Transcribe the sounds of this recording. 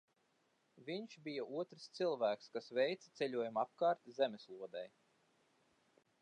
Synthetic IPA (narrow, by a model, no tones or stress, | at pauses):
vʲiɲʃbijaʔuɔt̪ɾst̪silˠvæːkskasvɛjt̪sḁt̪sɛʎʲuɔjumap̚kɑːɾt̪izɛmeslˠuɔd̪ɛj